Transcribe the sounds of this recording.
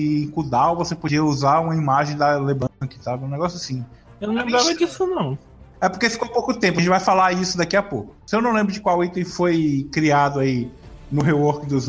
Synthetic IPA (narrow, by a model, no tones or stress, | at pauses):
kud̪awvosepod͡ʒiɐuzaũmɐimaʒẽj̃d̪ɐlebɐ̃kɪt̪aw̪ɛw̃nɛɡɔsjʊasĩ | eñlẽmbɾavɐd͡ʒisʊnɐ̃w̃ | ɛpoɾkefi̥kopowkʊt̪ẽpʊɐʒẽt͡ʃɪvajfalad͡ʒisʊd̪akiɐpokʊsewnɐ̃w̃lẽbɾʊd͡ʒɪkwawit̪ẽfojkɾiad̪ʊainʊɦewoɾkid̪ʊz